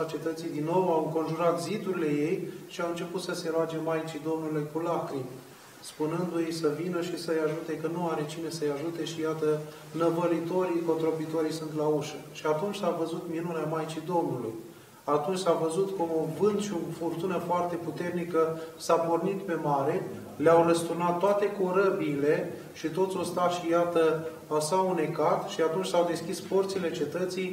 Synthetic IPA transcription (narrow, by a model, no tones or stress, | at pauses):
o̞t͡ʃie̞t̪ət̪sijd̪inːo̞wawɨŋko̞nʒuɾat̪zid̪uɾile̞jejʃiawɨnt͡ʃe̞put̪səse̞ɾoad͡ʒe̞majt͡ʃid̪o̞mnulujkulakɾim | spunɨnd̪ujejsəvinəʃisəjaʒut̪e̞kənuaɾe̞t͡ʃine̞səjaʒut̪e̞ʃijat̪ə | nəvəlit̪o̞ɾiko̞t̪ɾo̞bit̪o̞ɾijsunt̪lauʃəʃiat̪unt͡ʃsavəzut̪minuneamajt͡ʃid̪o̞mnulṵj | at̪unt͡ʃʲsavəzut̪koovɨndt̪ʃiofurt̪unəfoart̪e̞put̪e̞rnikəsapo̞rnit̪pe̞maɾe̞ | leawləst̪unat̪ːoat̪e̞koɾəbiːle̞ | ʃit̪o̞t̪sʲost̪aʃijat̪ə | asaune̞kat̪ʃiat̪unt͡ʃʲsawd̪e̞skʲisport̪sile̞t͡ʃe̞t̪ət̪sij